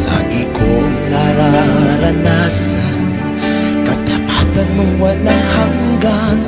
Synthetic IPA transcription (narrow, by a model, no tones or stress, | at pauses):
na̰ʔikʰo | naɾaɾanas | a | n | kɐt̪apat̪anmʊŋwalaŋhaŋɡan